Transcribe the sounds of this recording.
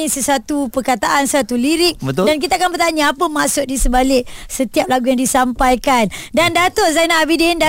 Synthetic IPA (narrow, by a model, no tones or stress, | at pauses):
ĩsəsat̪upərkat̪aʔansəat̪uliɾɪk̚ədank̬it̪akanbərt̪aɲaapəmaʔsʊt̪̚disəbalɪk̚sət̪iap̚laɡujaŋdisampajkandandat̪ɔzanaːbidɪnda